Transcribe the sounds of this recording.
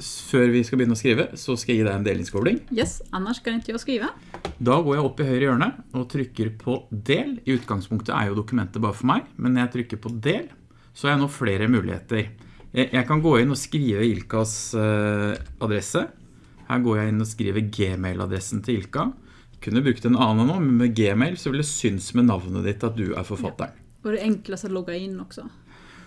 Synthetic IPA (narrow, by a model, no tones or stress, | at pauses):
føːɾʋɪskɑbəjʏnːəɔskɾiːʋəsɔskɑjæjiːd̪æɪɛneːlɪnskɔːbɽɪŋjɛsɑnːəʂkɑd̪ɛnt̪ʰːɔskɾiːʋə | d̪ɑːɡoːɾjæɪɔpːɪɦœʏɾəjøːɳəɔt̪ʰɾʏkːəɾpʰɔd̪eːlɪʉːt̪ɡɑŋspʰʊŋkt̪ʰə̰æ̰ɾjʊd̪ʊkʉmɛnt̪əbɑːɾəfɔɾmæɪmʔɛnːɔɾjæɪt̪ʰɾʏkːəɾpʰɔd̪eːl | sɔhɑɾjæɪnoːfleːɾəmʉːlʔɪ̰ḛːt̪əɾ | jæjʔæɪkɑnɡoːɪnːɔskɾiːʋəɪlkɑs | ʔɑd̪ɾɛsə | hæ̰ːɾɡoːɾjæɪɪnːɔskɾḭːʋəɡeːmɛɪlʔɑ̰d̪ɾɛsənt̪ʰɪlɪlkɑ | kʰʉnːəbɾʉk̚t̪ɛnuːɑːnːənoːmɛnmɛɡeːmɛɪlsɔʋɪld̪ɛsʏnsmɛnɑʋnə̰d̪ɪt̪ːɑt̪̚d̪ʉʔæ̰ɾfɔɾfɑt̪ːə̰ɾ | ʋɔɾɛɛŋkləsəlɔɡɑɪnːɔksɔ